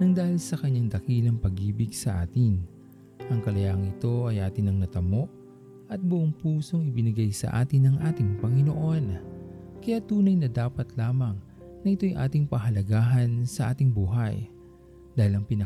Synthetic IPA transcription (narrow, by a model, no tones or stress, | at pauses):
nɐŋd̪aːhilsɐkɐɲːaŋd̪ɐkilɐŋpɐɡiːbɪɡsɐʔa̰ːt̪ɪn | ʔɐŋkɐlɐjaŋɪt̪o̞ʔɐjʔaːt̪ɪnɐŋnɐt̪ɐmo̞ʔ | ɐt̪̚bʊʔoŋpuːso̞ŋɪbɪnɪɡajsɐ̰ʔa̰ːt̪ɪnɐŋʔaːt̪ɪŋpɐŋɪno̞ʔo̞nkɐjat̪uːnɐjnɐd̪aːpɐt̪laːmɐŋ | nɐʔɪt̪o̞jʔa̰ːt̪ɪŋpɐɦɐlɐɡaːɦɐnsɐʔa̰ːt̪ɪŋbuːɦɐj | d̪̥aːhɪlɐŋpɪnɐ